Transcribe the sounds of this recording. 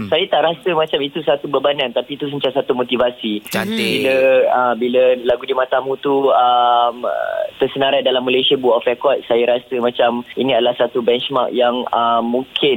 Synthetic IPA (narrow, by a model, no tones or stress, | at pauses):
sajat̪aʔɾasəmãt͡ʃamit̪usat̪ubəbanant̪apit̪us̬ənt͡ʃasat̪umot̪ivasiabiləəbiləlaɡudimãt̪amũt̪uəm̰t̪ərsənaɾajdalamːalesiabuaʔɔfrɛkɔt̪̚sajaɾasəmãt͡ʃaminĩadalahsat̪ubɛnt͡ʃma̰k̚jaŋəmũŋkʰɪn